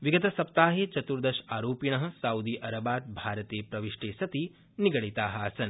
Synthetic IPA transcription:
ʋiɡɐt̪ɐsɐpt̪aːɦeːt͡ʃɐt̪uɾd̪ɐʃaːɾoːpiɳɐɦɐ̆saːwd̪iːʔɐɾɐbaːt̪̚bʱaːɾɐt̪eːpɾɐʋiʂʈeːsɐt̪iː | niɡɐɭit̪aːɦɐːsɐn

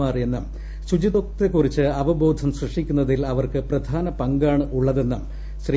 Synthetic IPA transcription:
aːrie̞nːɨm | ɕud͡ʑiðo̞k̚t̪ekːurit͡ɕːɨɐʋɐbo̞ːd̪ʱɐmɕrɐʂikʲːunːɐðilɐʋɐrkɨprɐd̪ʱaːnɐpɐŋɡaːɳɨʔuɭːɐðe̞nːɐm | ɕri

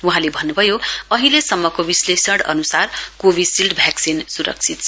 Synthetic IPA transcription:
uɦãlebʱʌnːubʱʌjoʌɦilesʌmːʌkobislesʌɽʌ̰nusarkobisilʈbʱjaksinsuɾʌ̰k̚t͡sʰit̪̚t͡sʰʌ

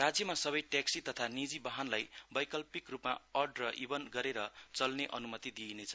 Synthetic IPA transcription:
rad͡zjʌmasʌbʌjʈaksit̪ʌt̪ʰanid͡zibaɦʌnlajbʌjkʌlpikrupma̰ʌɖrʌʔibʌnɡʌɾeɾʌt͡sʌlneʔʌnumʌt̪id̪inet͡sʰʌ

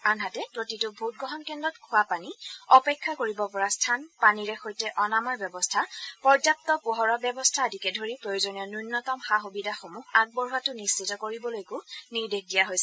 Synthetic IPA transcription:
anɦatɛpɹotitʊbʱut̚ɡɔɦɔnkɛndɔtkʰʊwapaniɔpɛkʰːakoɹibɔpɔɹastʰanpaniɹɛxojtɛʔɔnamɔɹbjɔbɔstʰapɔɹzap̚tɔpuɦɔɹɔbjɔbɔstʰadʱikɛdʱoɹipɹojozɔnijɔnunːɔtɔmxaxubidʱaxomuɦak̚bɔɹuatʊnist͡ʃitɔkoɹibɔlojekʊniɹdexdijaɦojsɛ

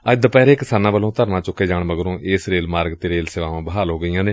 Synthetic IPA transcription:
əd̪pɛːɾeːkɪsaːnãːʋəlõːt̪əɾnãːt͡ʃʊkːeːd͡ʒaːɳməɡɾõːʔeːsɾeːlmaːɾɡt̪eːɾeːlseːʋaːʋãːbəɦaːlɦoːɡəiːãːneː

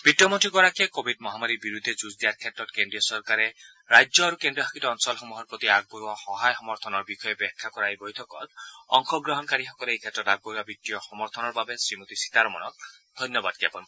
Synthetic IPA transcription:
b̥iʈjɔmɔnʈʰiɡɔɾakʰekobʱid̚mɔɦamaɾibiɾud̪ʱːed͡ʒuzd̪iaɾkʰet̪ɾɔt̪kendɾijɔsɔɾkaɾe | ɾajd͡ʒɔaɾukendɾiɦʰakʰit̪ɔɔnsɔlxɔmuɦɔɾpɾɔt̪iaɡ̚boahɔɦajxɔmɔɾt̪ʰɔnɔɾbikʰɔjebɛkʰːakɔɾajbojtʰɔkɔ̰t̪ɔŋkʰɔɡɾɔɦɔnkaɾixɔkɔleejkʰet̪ɾɔt̪aɡ̚boɾabitːijɔxɔmɔɾt̪ʰɔnɔɾbabesɾimot̪isi̥t̪aɾɔmɔnɔk̚d̪ʱɔjnjɔbad̪kebɔn

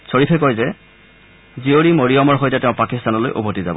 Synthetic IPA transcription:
soɹipʰɛkɔjzɛ | zioɹimoɹijɔmɔɹxojtɛtɛʊ̃pakistanɔlojʔo̰botiza̰bɔ

